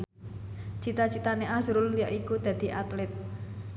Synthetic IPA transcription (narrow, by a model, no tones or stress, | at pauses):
t͡ʃit̪at͡ʃit̪aneʔazɾʊllijaʔikud̪̥ä̤d̪̥i̤ʔat̪lɛt̪̚